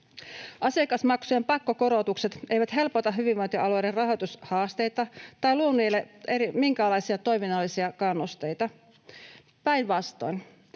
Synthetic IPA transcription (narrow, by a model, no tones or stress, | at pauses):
ʔɑsekɑsmɑksujempɑkːoko̞ɾot̪ukse̞t̪ejʋæt̪ɦe̞lpot̪ɑɦyʋiʋʋɑnt̪ʲoʔɑluoederɑɦo̞jt̪ushɑːst̪e̞jt̪ɑt̪ɑjluonːˑujlːeʔeɾimiŋkæːlɑjsiɑt̪o̞jminɑlːisiɑkɑnːust̪e̞jt̪ɑ | pæjnʋɑst̪o̞̰jn